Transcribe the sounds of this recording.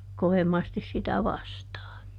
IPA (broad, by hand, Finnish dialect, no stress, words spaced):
koʋemːɑstis sitæ ʋɑstɑː